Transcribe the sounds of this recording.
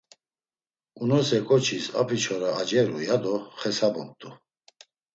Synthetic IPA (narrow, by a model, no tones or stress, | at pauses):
unɔsɛkʼɔt͡ʃʰisa̰pʰit͡ʃʰɔɾaːd͡ʒɛɾujad̪ɔχɛsabɔnt̪ʼu